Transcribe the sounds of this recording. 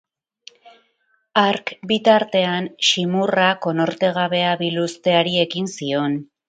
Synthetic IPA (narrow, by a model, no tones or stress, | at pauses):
aɾkbit̪aɾt̪e̞anʃimurako̞no̞ɾt̪e̞ɣ̞aβe̞aβilust̪e̞aɾie̞kinsio̞n